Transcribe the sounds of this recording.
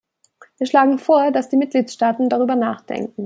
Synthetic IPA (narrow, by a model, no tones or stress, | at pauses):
viːɐʃlaːɡŋ̩foːɐdasd̥iːmɪt̚ɡ̥liːtʃtaːtn̩daʁ̞yːbɐnaːχd̥ɛ̰ŋkŋ̩